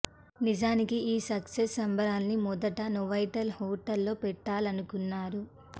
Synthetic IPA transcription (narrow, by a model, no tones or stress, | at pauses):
nid͡ʒaːnikiiːsɐksesɐmbʱɐɾaːnːimɔd̪ɐʈɐnɔʋɐjʈɐlhɔːʈɐlːo̞ːpɛʈːaːlɐnukunːaːɾu